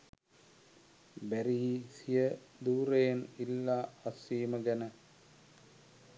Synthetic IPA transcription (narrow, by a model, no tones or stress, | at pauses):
bæɾiisijə | d̪uːɾejenilːaːɐsiːməɡænə